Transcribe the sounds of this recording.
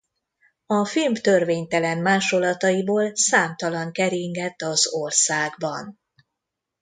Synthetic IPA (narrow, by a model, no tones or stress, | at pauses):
ɒfilmt̪ørveːɲt̪ɛlɛnmaːʃo̞lːɒt̪ɒjiboːlsaːmt̪ɒlɒŋkɛɾiŋɡɛt̪ːɒzorsaːɡbɒn